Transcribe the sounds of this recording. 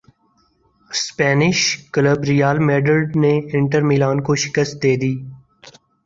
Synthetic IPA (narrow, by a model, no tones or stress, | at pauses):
spɛːnɪʃkələbɾɪjaːlmeːɖəlɖneɪ̃ɳʈəɾmiːlaːnkoʃɪ̥kəst̪̚d̪eːd̪iː